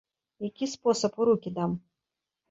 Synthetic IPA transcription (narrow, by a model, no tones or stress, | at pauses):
jakʲisposɐpuɾukʲid̪am